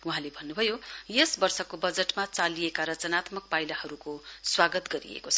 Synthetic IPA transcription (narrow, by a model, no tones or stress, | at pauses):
uɦãlebʱʌnːubʱʌjojesbʌrsʌkobʌd͡zeʈmat͡saliekaɾʌt͡sʌnat̪mʌk̚pajlahʌɾukoswaɡʌt̪ɡʌɾḭḛkot͡sʰ